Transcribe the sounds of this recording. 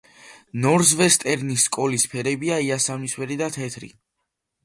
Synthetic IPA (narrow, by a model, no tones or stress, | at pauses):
nɔɾzvɛst̪ʼɛɾnisːkʼɔlispʰɛɾɛbiaiasamiswɛɾid̪at̪ʰɛt̪ʰɾḭ